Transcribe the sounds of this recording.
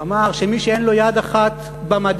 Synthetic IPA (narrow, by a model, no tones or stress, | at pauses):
amaʁʃemiʃeenlo̞jad̪aχat̪ | bamad̪